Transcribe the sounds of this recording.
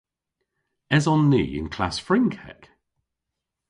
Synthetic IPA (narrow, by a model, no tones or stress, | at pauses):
ɛzɔ̃nːḭːɪ̰̃nkʰl̥a̰sfɹɪ̃ŋkʰɛ̰k